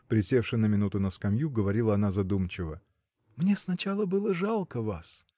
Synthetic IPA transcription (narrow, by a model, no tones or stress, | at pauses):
pɾʲɪsʲe̞fʂɨnəmʲɪnut̪ʊnəskɐmʲjuɡəvɐɾʲilˠəɐn̪azɐd̪umt͡ɕɪvə | mnʲesnɐt͡ɕalˠəbɨlˠəʐalˠkəvas